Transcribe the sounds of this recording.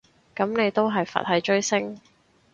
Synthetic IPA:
kɐ˨˥mne˨˧jt̪o˥wɦɐ˨jfɐ̰˨t̚hɐ˨˥jt͡ʃɵ˥ɥsɪ˥ŋ

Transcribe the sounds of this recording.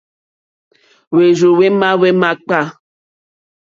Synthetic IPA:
we˨ʒo˨we˦ma˦we˦ma˦k͡pa˦˨

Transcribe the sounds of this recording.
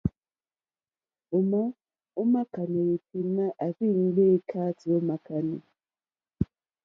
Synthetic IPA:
o˨mɔ˦ | o˦ma˦ka˨ni˨wi˨ti˨˦na˦ʔa˨vi˦˨ŋ̩˦ɡ͡be˦kʰa˦ti˨o˦ma˨ka˨nḭ˨

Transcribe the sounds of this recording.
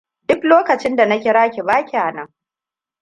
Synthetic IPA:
dʊ˦kloː˦kɐ˨t͡ʃɪ˦nda˨nɐ˦kʲɪ˦ɾaː˦kʲi˨baː˦kʲi˨ʔa˨nɐ˦ŋ

